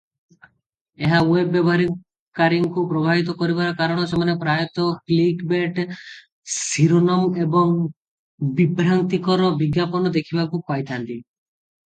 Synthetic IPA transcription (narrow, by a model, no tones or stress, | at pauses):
eɦawebːɔbɔɦaɾi | kaɾiŋkupɾɔbʱabit̪̬ɔkɔɾibaɾɔkaɾɔɽ̃ɔsemanepɾajɔt̪ɔklikbeʈ | siɾonɔmebɔŋ | bibɾaŋt̪ikɔɾɔbiɡjapɔnɔd̪ekʰibakukajt̪ʰant̪i